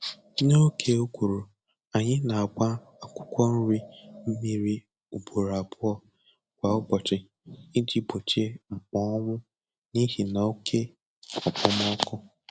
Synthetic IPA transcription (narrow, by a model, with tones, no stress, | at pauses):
no˦kʰe˦o˦kʷu˨ɾu˨ | a˨ɲɪ˦na˨a˨kʷa˦ | a˨kʷʊ̥˦kʷɔ˦n̩˦ɾi˦m̩˦mi˦ɾi˦ | u˨bu˨ɾa˨bʊ˦ɔ˨ | kʷa˨ɔ˦ɡ͡bɔ˨t͡ʃɪ˨ | i˦d͡ʒi˦bo˨t͡ʃe˦ŋ͡m̩˨k͡pɔ˦ɔ˦ŋʷʊ˦ | ni˦ɦi˨na˨o˦kʰe˦ | ɔ˨k͡pʊ˦m˦ɔ˦kʊ˦